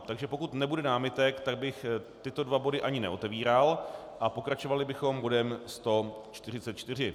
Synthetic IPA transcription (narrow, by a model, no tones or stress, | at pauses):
t̪aɡʒɛpo̞kut̪nɛbudɛnaːmɪt̪ɛkt̪aɡ̚bɪxt̪ɪt̪o̞dvabo̞dɪʔaɲɪnɛ̰ʔo̞t̪ɛviːɾal | ʔapo̞kɾat͡ʃo̞valɪbɪxo̞mbo̞dɛmst̪o̞t͡ʃt̪ɪrɪt͡sɛt̪t͡ʃt̪ɪr̝ɪ